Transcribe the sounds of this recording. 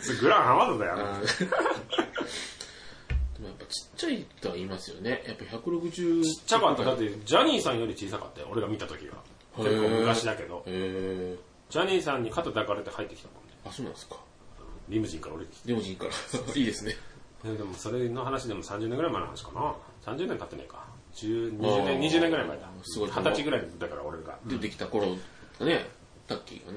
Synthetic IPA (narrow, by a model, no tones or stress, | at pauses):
ɡɯ̟ɾãɰ̃hamazod̪ajam | d̪̥e̞mo̞japːat͡ɕi̥t͡ɕːait̪oaiːmasɨjo̞̰ne̞japːaçakɯ̟ɾo̞kɯ̟ʑɨːt͡ɕi̥t͡ɕːakat̪ːod̪at̪ːe̞d͡ʑaɲ̟iːsãɰ̃jo̞ɾʲit͡ɕiːsaka̰t̪ːḛʔo̞ɾe̞ɡamʲit̪at̪o̞kʲḭβa̰ | t͡ɕotːomokaɕid̪ake̞d̪o̞e | d͡ʑaɲ̟iːsãɲ̟ːikat̪od̪akaɾet̪ehait̪ːe̞kʲi̥t̪amõ̞nd̪easoːnḁ̃skḁ | ɯ̃ɾʲimɯ̟d͡ʑĩŋkaɾaoɾed̪ek̪ɾʲimɯʑĩŋkaɾaiːd̪esɨned̪ed̪e̞mo̞so̞ɾe̞no̞ɦanaɕ̬id̪e̞mo̞sãɲ̟d͡ʑɨːnẽŋɡɯɾaimaenohanaɕi̥kana | sãɲd͡ʑɨːnẽnt̪at̪ːena̰ikḁ | d͡ʑɨːɲiːnẽɲiʑɨːnẽŋɡɯɾaimaed̪asɨɡohat̪at͡ɕiɡɯ̟ɾaid̪akaɾa̰o̞ɾe̞ɡa̰ed̪ekʲi̥t̪akoɾo | skane | t̪akʲːḭːɡa̰n